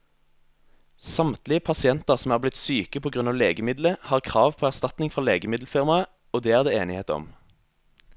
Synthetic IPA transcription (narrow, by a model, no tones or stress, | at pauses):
sɑmt̪lɪəpʰɑsɪɛnt̪əʁsɔm̩æːʁblɪt̪syːkəpʰoːɡʁʉnɑːʋleːɡəmɪd̪ləhɑːʁkʰʁɑːʋpʰoːæʁst̪ɑt̪nɪŋfʁɔʁleːɡəmɪd̪l̩fɪʁmɑə | oːd̪eːæːʁd̪eːeːnɪheːt̪əɔ̰m